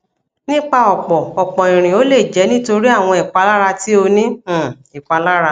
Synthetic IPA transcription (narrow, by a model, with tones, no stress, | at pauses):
nĩ˦k͡pa˧ɔ˨k͡pɔ˨ɔ˨k͡pɔ˨ĩ˨ɾ̃ĩ˨o˨˦le˦˨d͡ʒɛ˨˦nĩ˦to˧ɾi˦a˦˨w̃ɔ̃˧i˨k͡pa˧la˦ɾa˧ti˦o˧nĩ˦˨ | i˨k͡pa˧la˦ɾa˧